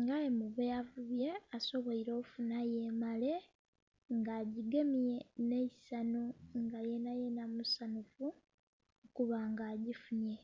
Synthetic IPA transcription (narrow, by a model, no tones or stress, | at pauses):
ŋɡajemuβejavuβjeaso̞βoiɾo̞ːfunajemale̞ | ŋɡaːɟiɡemijenesanuŋɡajenajenamusanufu | okuβaŋɡaːɟifuɲe̞